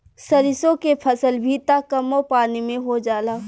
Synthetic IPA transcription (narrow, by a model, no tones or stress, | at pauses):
sɐɾɪsõkepʰɐsəlbʱit̪akɐmːopaːnimẽɦod͡ʒaːlaː